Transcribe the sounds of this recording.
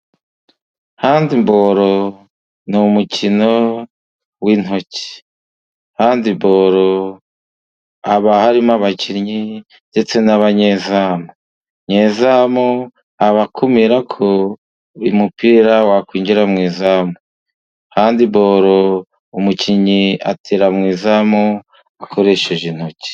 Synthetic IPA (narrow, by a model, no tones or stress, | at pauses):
haːndimbo̞ɾo | numucʰino̞ | win̥ho̞ci̥ | haːndiboːɾo | aβahaɾimaβaciɾɲi | nde̞t͡se̞naβaɲezaːmo | ɲeːzamo | aβakumiɾakʰo | ɾimupiɾawakwiːɲɟiɾamŋiːzaːmo | haːndibo̞ːɾo | umuciɲia̰tʰeɾamŋiːzamo | ako̞ɾe̞ʃeʒin̥ho̞ci̥